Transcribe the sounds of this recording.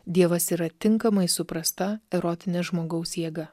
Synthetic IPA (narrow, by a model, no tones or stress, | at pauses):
d̪ʲiɛʋɐsiːɾɐt̪ʲɪŋkɐmɐɪsʊpɾɐst̪ɐɛɾɔt̪ʲɪnʲɛʒmoːɡɐʊsjiɛɡɐ